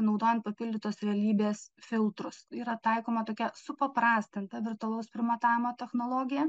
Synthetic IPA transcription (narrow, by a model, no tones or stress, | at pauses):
nɐʊd̪oːjɛnt̪̚pɐpʲɪlʲd̪ʲɪt̪oːsɾʲɛɐlʲiːbʲeːsfʲɪlˠt̪ɾʊsiːɾɐt̪ɐɪkoːmɐt̪oːkʲɛsʊpɐpɾɑːsʲt̪ʲɪnt̪ɐʋʲɪɾt̪ʊɐlˠɐʊspʲɾʲɪmɐt̪ɑːʋʲɪmoːt̪ʲɛxnoːlˠoːɡʲɪjɛ